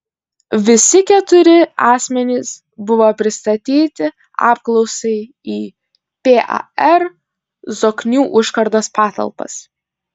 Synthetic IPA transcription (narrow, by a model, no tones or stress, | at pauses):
ʋʲɪsʲɪkʲɛt̪ʊɾʲɪɑːsʲmʲɛnʲɪs | bʊʋoːpʲɾʲɪst̪ɐt̪ʲiːt̪ʲɪ | ɑ̰ːp̚klˠɒʊsɐɪ | iː | pʲeːʔɑ̰ɛɾ | zoːknʲuːʔʊʃkɐɾd̪oːspɑːt̪ɐ̰lˠpɐ̰s